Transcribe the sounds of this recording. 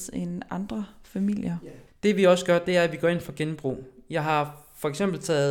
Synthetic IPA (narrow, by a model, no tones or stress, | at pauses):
enɑ̈nd̥ʁɐfæmil̰jɐd̥e̝ʋiɒ̽səɡ̥ɶɐd̥e̝æɐæʋiɡ̥ɒe̝n̰fɒ̽ɡ̥enmb̥ʁṵːjɑ̈ɪɦɑ̈fɒ̽eɡ̥sem̰b̥l̩t͡sʰɛ̰ːðˠ